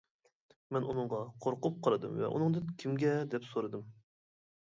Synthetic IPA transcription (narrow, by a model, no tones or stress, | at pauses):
mɛnunɨŋʁɑqʰoɾqʊp̚qʰɑɾɨd̪ɨ̰mvɛ̰ʔṵnɨŋd̪ɨnkʲʰimɡʲɛd̪ɛpsoɾɨd̪ɨm